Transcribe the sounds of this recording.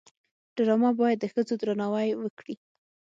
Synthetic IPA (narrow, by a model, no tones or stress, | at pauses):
ɖ̥aɾɑmɑbɑjad̪ːəxəd͡zod̪ɾanɑwajwəkɽi